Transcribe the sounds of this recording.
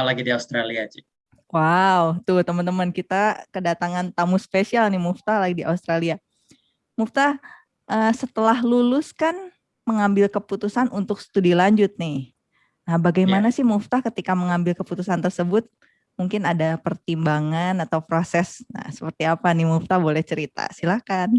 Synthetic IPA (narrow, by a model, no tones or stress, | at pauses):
laɡidiaust̪ɾaliad͡ʒi | wawt̪ʊht̪əmənt̪əmənkit̪akədat̪aŋant̪amuspesialnɪhmuft̪alaɡidiʔa̰ust̪ɾalia | muft̪a | ʔəːsət̪əlahlulʊskan | məŋambɪlkəput̪usanʔunt̪ʊk̚sə̥t̪udilaɲd͡ʒʊt̪̚nɪh | nahbaɡajmanasɪhmʊft̪akət̪ikaməŋambɪlkəput̪usant̪ərsəbʊt̪̚ | muŋkɪnadapərt̪imbaŋanat̪awpɾosɛsna̰sə̥pərt̪iapanɪmuft̪abolɛht͡ʃəɾit̪a̰silakan